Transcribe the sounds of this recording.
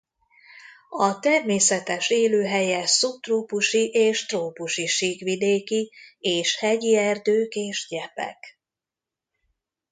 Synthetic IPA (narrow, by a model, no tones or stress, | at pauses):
ɒt̪ɛrmeːsɛt̪ɛʃeːløːɦɛjɛsup̚t̪roːpuʃiʔeːʃt̪roːpuʃiʃiːɡʋid̪eːkieːʃhɛɟiɛrd̪øːkeːʒɟɛpɛ̰k